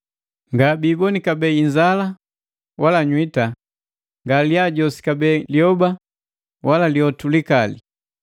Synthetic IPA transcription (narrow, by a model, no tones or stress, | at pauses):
ŋɡabiːbɔnikabɛiɲd͡ʒala | walaɲwita | ŋɡaliaɟɔsi̥kabɛliɔba | walaliɔtulikalḭ